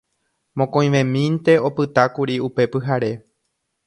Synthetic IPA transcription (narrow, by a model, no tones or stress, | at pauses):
mõkõj̃ʋẽmĩnt̪e̞o̞pɨt̪akuɾiupe̞pɨɦaɾe̞